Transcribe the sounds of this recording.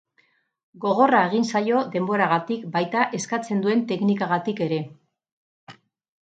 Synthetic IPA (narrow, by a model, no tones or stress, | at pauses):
ɡo̞ɣ̞o̞rae̞ɣ̞insajo̞ðe̞mbo̞ɾaɣat̪ikbajt̪aʔe̞skat͡se̞nd̪ue̞nt̪e̞knikaɣ̞at̪ike̞ɾe̞